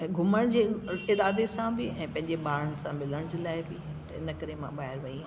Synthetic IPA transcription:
ɡʱʊməɽ̃d͡ʑeːɪɾaːd̪esãbɪɛ̃ːpɐ̃ɦɪ̃ɲd͡ʑeɓaːɾəñ̆sãmɪləɽ̃d͡ʑeːlaːɪbɪt̪ɐɪ̰nə̆kɐɾemã̰ɓaːɦɪɾʋɐiã

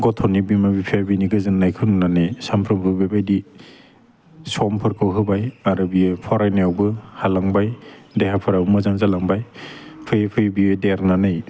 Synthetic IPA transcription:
ɡɔtʰɔnibimabipʰiabiniɡɯzɯnːajkʰɯnnanɯjsampʰɾɯmpʰɯbabajdi | sɔmpʰɯɾkʰɯwɦɯbajaɾɯbipʰɔɾajneawbɯhalaŋbajdehapʰɔɾawbɯmɯzaŋzalaŋbajpʰɯjpʰɯjbiedeɾnanɯj

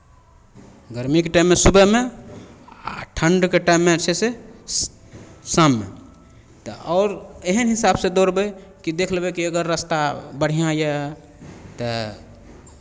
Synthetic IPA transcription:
ɡəɾmikeʈaɪmːesubəɦme | a̰ʈʰəɳɖkeʈaɪmːet͡ʃʰese | samːḛ | t̪ɔɔːʊɾeɦənɦisabsed̪oɾbɛkid̪ekʰlbɛkiəɡəɾːəst̪abəɽ̤ijãjɛ | t̪ɔ

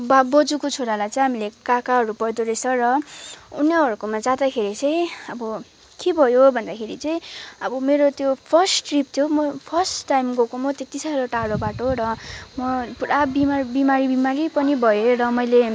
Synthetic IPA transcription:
bbʌd͡zukot͡sʰoɽalajt͡sʌ̃ĩɦamilekakaɦʌɾupʌd̪oɾesʰʌrʌuneʌɾukomad͡zãd̪akʰeɾit͡sʌĩʌbʌ | kibʱʌjobʱʌnd̪akʰeɾit͡sʌĩʌbʌmeɾot̪jopʰʌrsʈʈript̪ʰjomʌpʰʌrsʈːajmɡokomot̪et̪isaɾoʈaɽobaʈoɾʌmʌpuɽabimabimaɾibimaɾipʌnibʱʌjeɾʌmʌjle

